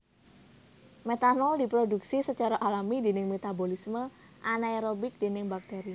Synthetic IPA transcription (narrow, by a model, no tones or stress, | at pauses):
met̪anɔldi̤pɾoduksisət͡ʃaɾaʔalamidenɪŋmet̪abolismə | ʔanaeɾobɪk̚d̥̪e̤nɪŋbak̚t̪ɛɾi